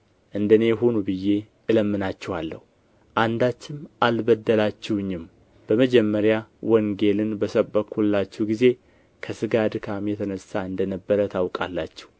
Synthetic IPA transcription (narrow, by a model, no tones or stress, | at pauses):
ʔɨnd̪əne̞jɦo̞nubɨjːe̞ | ʔɨləmːɨnat͡ʃːɛwalːə̰hu | ʔand̪at͡ʃːɪmʔalbəd̪ːəlat͡ʃːɛwɲːɪm | b̥əməd͡ʒɛmːəɾjawəŋɡe̞lɨnbəsəbəkʰːulːat͡ʃːɛwɡize̞ | kʰəsɨɡad̪ɨkʰamjɛt̪ʰənəsːaɨnd̪ənəbːəɾət̪ʰawkʼa̰lːat͡ʃːɛ̥w